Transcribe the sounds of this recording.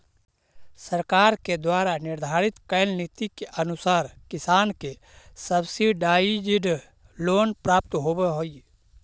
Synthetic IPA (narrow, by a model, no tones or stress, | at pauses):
səɾkaːɾked̪waːɾanɪɾd̪ʱaːɾɪt̪kəjlnit̪ikeʔənʊsaːɾkɪsaːnke | səbsiɖaːid͡ʒɪɖ | loːnpɾaːp̚t̪ɦoːbeɦoːi